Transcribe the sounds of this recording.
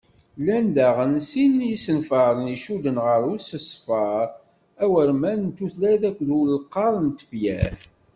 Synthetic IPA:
lænd̪æʁənsinjisənfɑɾˤəniʃuðənʁəɾˤʊsəsˤfɑɾˤ | æwəɾmænnt̪uθlæðækʷːðʊllqːɑɾˤnt̪ə̥fjæ̰ɾ

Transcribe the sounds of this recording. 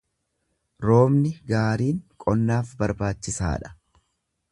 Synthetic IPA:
ɾo̞ːmnɪɡaːɾiːŋkʼɔnːaːfbɐɾbaːt͡ʃːɪsa̰ːᶑɐ̥

